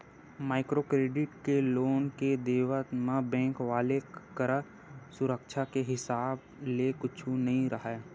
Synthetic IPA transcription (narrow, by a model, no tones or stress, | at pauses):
maːɪkɾokɾeːɖɪʈkeloːnked̪eːʋət̪mãbɛ̃ːŋkʋaːlekəɾə | sʊɾəkʃʰakeɦɪsaːb | lekʊt͡ʃʰũnɐɦĩɾɐɦeː